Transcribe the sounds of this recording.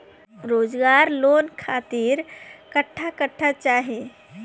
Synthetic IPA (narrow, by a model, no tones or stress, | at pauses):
ɾoːd͡ʒɡaːɾloːnkʰaːt̪iːɾkəʈʰːakəʈʰːat͡ʃaːɦẽ